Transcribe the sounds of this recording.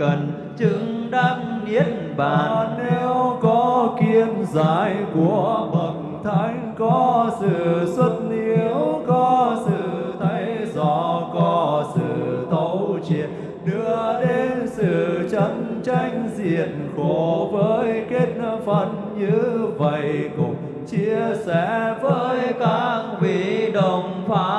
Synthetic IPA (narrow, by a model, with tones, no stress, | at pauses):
kə˨˩n | t͡ɕɨ˧˥ŋɗaː˧˥ŋmi˨˦˥ən̚ | ɓaː˧˨˩ne˧wkɔ˨˦ki˧ənzaː˧˩jku˧˩əɓə˨˩k̚t̪ʰa˧˩˦jŋ̟kɔ˨˦sɨ̰˧˨swə˦˥t̚ni˧˦əwkɔ˨˦sɨ̰˧˨t̪ʰə˨˦jjzɔ˧˩kɔ˨˦sɨ̰˧˨t̪ə˧˦wt͡ɕi˨˩˨ən | ɗɨ˧əɗe˧nsɨ̰˧˨˩t͡ɕə˧˦nt͡ɕa˧jŋ̟zi˧˨ənxo˧˩vəː˨˦jke˦˥t̚fə˧˩n | ɲɨ˧və˧˨jkʊ̰˨˩ŋ͡m̚ | t͡ɕi˧əsɛ̰˧˥vəː˨˦jt̪aː˧˩ŋɓi˧˩ɗə˧˨˩ŋ͡mfaː˨˦